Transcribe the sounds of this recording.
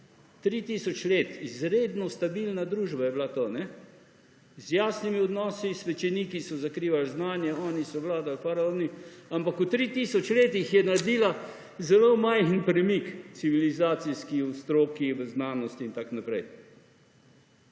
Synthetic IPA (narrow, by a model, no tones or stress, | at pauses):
t̪ɾit̪iːsɔt͡ʃleːt̪izɾeːd̪nɔst̪abilnad̪ɾuːʒbajɛblat̪oːnɛ | zjaːsnimiɔd̪nɔːsisʋɛt͡ʃɛniːkisɔzakɾiːʋalznaːnjɛɔːnisɔʋlaːd̪alfaɾaoniampakut̪ɾit̪isɔt͡ʃleːt̪ixjɛnaɾd̪iːla | zɛlomajxnpɾɛmikt̪siʋilizaːt̪siskiust̪ɾoːkiʋəznaːnɔst̪iːnt̪aknapɾɛj